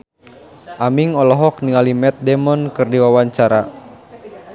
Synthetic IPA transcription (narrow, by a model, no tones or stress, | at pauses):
ʔamiŋɔlɔɦɔkniŋalimɛt̪̚dɛmɔnkɨrdiwawaɲt͡ʃaɾa